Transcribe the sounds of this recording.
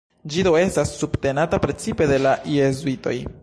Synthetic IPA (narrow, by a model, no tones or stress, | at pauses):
d͡ʒidoe̞stasːubte̞natapɾe̞t͡sipe̞de̞laʔezuito̞̰j